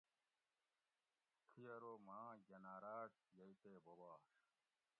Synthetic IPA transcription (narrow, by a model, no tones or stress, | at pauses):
kʰijɐɾomãːɡɐnaːɾaːʈ | jɐit̪eːbobaːʂ